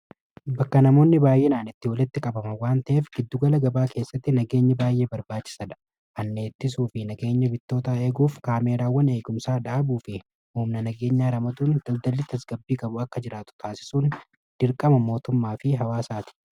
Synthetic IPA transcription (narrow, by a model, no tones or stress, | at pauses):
bɐkːɐnɐmo̞ːnːɪbaːjʔe̞ːnaːnɪt̪ːɪwɐlɪt̪ːɪkʼɐbɐmɐwaːnt̪ɐʔeːfɡ̥ɪd̪ːʊɡɐlɐɡɐbaːkʰe̞ːsːɐt̪ːɪnɐɡe̞ːɲːɐbaːjːe̞ːbɐɾbaːt͡ʃːɪ̥sɐᶑɐ̥ | ʔɐnːe̞ːt̪ːɪs̬uːfɪnɐɡe̞ːɲːɐbɪt̪ːo̞ːt̪ae̞ːɡuːfkaːme̞ːɾaːwːɐne̞ːɡʊmsaːᶑaːbuːfɪ | huːmnɐnɐɡe̞ːɲːaːɾɐmɐt̪uːnd̪̥ɐld̪ɐlːɪt̪ɐsɡɐbːiːkʼɐbʊɐkːɐd͡ʒɪɾaːt̪ʊ̥t̪aːsɪ̥suːn | d̪̥ɪɾkʼɐmɐmo̞ːt̪ʊmːaːfɪɦɐwaːsaːt̪ɪ̥